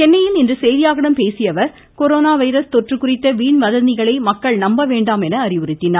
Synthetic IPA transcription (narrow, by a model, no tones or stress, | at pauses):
t͡ʃɛnːɐjɪlɪndrɯsɛjðɪjaːɣɐɽɐmpeːsɪjɐʋɐɾ | kɔɾoːnaːʋɐɪɾɐst̪ɔʈrɯkːʊrɪt̪ːɐʋiːɳʋɐðɐnd̪ɪɣɐɭɐɪmɐkːɐɭnɐmbɐʋeːɳɖaːmɛnɐːrɪʋɯrɪt̪ːɪna